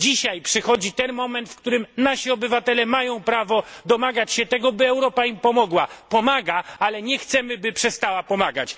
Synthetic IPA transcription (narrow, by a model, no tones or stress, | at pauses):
d͡ʑiɕajpʂɘxɔd͡ʑit̪ɛnmɔmɛnt̪fkt̪uɾɘmnaɕiɔbɘvat̪ɛlɛmajɔ̃w̃pɾavɔd̪ɔmaɡat͡ɕɕɛt̪ɛɡɔbɘɛwɾɔpaimpɔmɔɡwapɔmaɡaalɛɲɛxt̪sɛmɘbɘpʂɛst̪awapɔmaɡat͡ɕ